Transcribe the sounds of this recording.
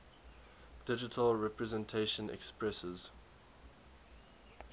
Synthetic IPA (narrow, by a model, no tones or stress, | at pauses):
d̥ɪd͡ʒɪtʰəlɹɛpɹɛzɛ̃ntʰeʃə̃nɛ̰kspɹɛsəz̥